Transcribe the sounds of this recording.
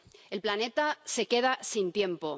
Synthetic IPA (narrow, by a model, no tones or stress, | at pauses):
e̞lplane̞t̪ase̞ke̞ð̞asint̪je̞mpo̞